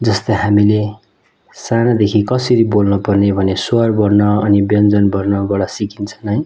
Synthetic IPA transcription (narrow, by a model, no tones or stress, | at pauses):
d͡zʌst̪ʌɦamile | sanad̪ekʰikʌsʌɾibolnupʌrnebʱʌnesuarbʌrnʌʌnibjʌnd͡zʌnbʌrnʌbaɽʌsikint͡sʰʌnʌj